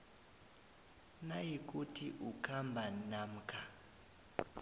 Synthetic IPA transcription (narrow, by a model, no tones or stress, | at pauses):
najik̬ʼutʰiʔukʰambʱanam̩kʰa